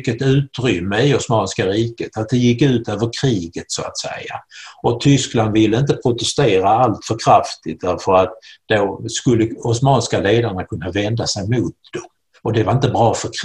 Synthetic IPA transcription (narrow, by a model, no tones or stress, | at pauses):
kːət̪ʉ̟ːt̪ɾʏmːəɪɔsmɑːnskaɾiːkət̪at̪̚d̪ɛjɪkːʉ̟ːt̪øːvəɾkʰɾiːɡət̪sɔa̰t̪sɛ̰ja̰ʔɔt̪ʰʏskland̪vɪlːəɪnt̪əpʰɾʊt̪ɛst̪eːɾaalt̪fœɾkʰɾaft̪ɪt̪̚d̪æɾfəɾat̪̚d̪̥oskɵlːəɔsmɑːnskaleːd̪aɳakʰɵnːavɛnd̪asɛjmʊt̪̚d̪̥ɔm | ɔd̪ɛvaɾɪnt̪əbɾɑːfœɾkʰ